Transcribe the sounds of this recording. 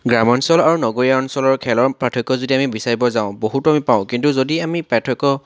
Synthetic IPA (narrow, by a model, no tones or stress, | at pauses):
ɡɹamɔnsɔlaɹunɔɡoɹiaɔnsɔlɔɹkʰɛlɔɹpatʰɔkːɔzodiamibisaɹibɔzaʊ̃boɦutuamipaʊ̃kintuzodiamipatʰɔkɔ